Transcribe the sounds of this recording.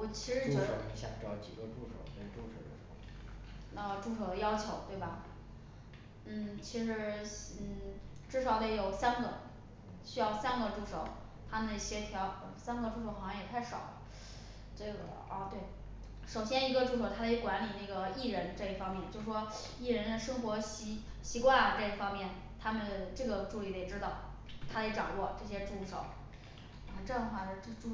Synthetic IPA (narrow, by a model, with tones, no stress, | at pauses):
wɔ˨˩t͡ɕʰi˧˥ʂɻ̩˧˥˧ʂo˨˩ʊi˧˥ɕjɑ̰˨˩ŋʈ͡ʂɑ˥˩ʊt͡ɕi˨˩ɡə˦ʈ͡ʂu˥ʂo̰˨˩ʊt̪we˥˩ʈ͡ʂu˥ʂo̰˨˩d̪ə˧ʂ | ə˥˧ʈ͡ʂu˥˩ʂo˨˩ʊd̪ə˧jɑ˥ʊt͡ɕʰjo˧˥ʊt̪we˥˩ɪbɐ˩ | n̩˥˩t͡ɕʰi˧˥ʂɻ̩˧˥n̩˥˩ʈ͡ʂɻ̩˥˩ʂɑ˨˩ʊd̪ə˧jo˨˩ʊsa˥nɡə̰˨ | ɕy˥jɑ˥˧ʊsa˥nɡə˨ʈ͡ʂu˥˩ʂo˨˩˦ʊ | t̪ʰa˥mə˧nd̪ə˩˧˩ɕɛ˥t̪ʰjɑ˧˥ʊə˧˩sa˥nɡə˧ʈ͡ʂu˥ʂ̬o˧˥xɑ˨˩ɕjɑ˥˧jɛ˨˩t̪ʰa˥˩ɪʂɑ̰˨˩˦ʊl | ʈ͡ʂɤ˥˩ɡə̰˩ɐ˧˩t̪we˥˩ɪ | ʂo˨˩ʊɕjɛ˥ni˧˥ɡə˧ʈ͡ʂu˥˩ʂo˨˩ʊt̪ʰa˥e˧˥kwa˧˥nli˨˩ne˥˩ɡə˩i˥˩ɻə˧˥nʈ͡ʂɤ˥˩i˥˩fɑ˥ŋmjɛ˥˩nt͡ɕjo˥˧ʊʂʂwɔ˥ | i˥˩ɻə˧˥nd̪ə˨ʂɤ˥ŋxwɔ˧˥ɕ | ɕi˧˥kwa˥˩nlə˨˩ʈ͡ʂɤ˥˩i˥˩fɑ˥ŋmjɛ˥˩n | t̪ʰa˥mə˨ʈ͡ʂɤ˥˩ɡə˩ʈ͡ʂu˥˧li˨˩d̪ə˧˩ɛ˨˩ʈ͡ʂɻ̩˥t̪ɑ˥˩ʊ | t̪ʰa˥d̪e˧˥ʈ͡ʂɑ̰˨˩ŋwɔ˥˧ʈ͡ʂɤ˥˩ɕ̬jɛ˥ʈ͡ʂu˥˩ʂo̰˨˩˦ʊ | ə˧˩ʈ͡ʂɤ˥˧˥ə˩xwa˥˩ə˥˩ʈ͡ʂʈ͡ʂu˥˧